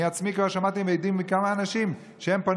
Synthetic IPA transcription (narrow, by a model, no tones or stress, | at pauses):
iat͡smikvalʃamat̪imveejd̪imːikamaːnaʃim | ʃehempa